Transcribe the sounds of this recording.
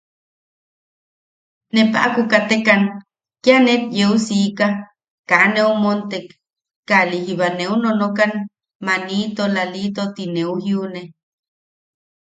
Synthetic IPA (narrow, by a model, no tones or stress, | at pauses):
nepa̰ʔakukat̪ekan | kjanet̪jeusika | kaneumont̪ekː | alihiβaneunonokan | manit̪olalit̪ot̪ineuhjiune